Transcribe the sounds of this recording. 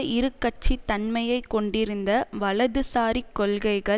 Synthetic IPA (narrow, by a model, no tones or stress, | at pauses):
ʔɪɾɯkːɐʈ̚t͡ʃit̪ːɐnmɐjɐɪkːɔɳɖɪɾɯnd̪ɐʋɐlɐðɯsaːɾikːɔlɣɐɪɣɐ